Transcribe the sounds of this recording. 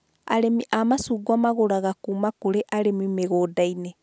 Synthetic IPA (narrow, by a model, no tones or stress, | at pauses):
a̰ɾemiʔamasuːɡwamaɣoɾaɣakuːmakuɾeʔaɾemimeɣoːdaine